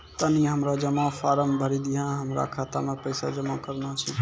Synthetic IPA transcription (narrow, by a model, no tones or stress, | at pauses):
t̪əniɦəmɾad͡ʒəmãfʰaɾəmbʱəɾid̪ijãɦəmɾa̰kʰaːt̪amẽpəɪsa̰d͡ʒəmãkəɾnat͡ʃʰi